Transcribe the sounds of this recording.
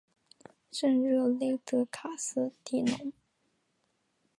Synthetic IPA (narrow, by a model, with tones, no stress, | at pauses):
ʂə˥˧nɻə˥˩le˥˩ɪt̪ɤ˧˥kʰa˨˩sɹ̩˥t̪i˧˩nʊ̰˧˥ŋ